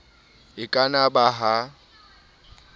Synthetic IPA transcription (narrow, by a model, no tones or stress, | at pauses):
ɪkʼanabaɦa